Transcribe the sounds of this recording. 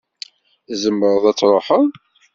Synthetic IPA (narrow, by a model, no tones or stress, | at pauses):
izəmːəɾəðˤæt͡sːɾˤoħəðˤ